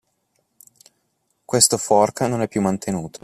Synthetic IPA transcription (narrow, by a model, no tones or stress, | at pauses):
kwest̪ofɔrknonɛpːjumːant̪ʰenuːt̪ʰo̥